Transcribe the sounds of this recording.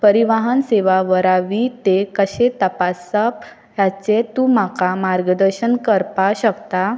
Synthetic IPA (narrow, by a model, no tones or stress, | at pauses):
pəɾiʋaɦənseʋaʋəɾaʋit̪ekəɕet̪əpasəp | jat͡set̪umakamaɾɡəd̪əɾɕənkəɾpaɕəkt̪a